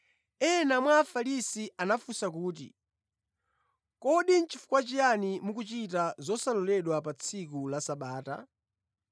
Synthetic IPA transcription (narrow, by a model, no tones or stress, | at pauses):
ɛnamwaːfalisiʔanafusak̬uːt̬ḭ | kɔɗin̩t͡ʃifu̥kwat͡ʃijanimukut͡ʃitazɔsalɔlɛɗwapat͡sʰikulasaɓaːta̰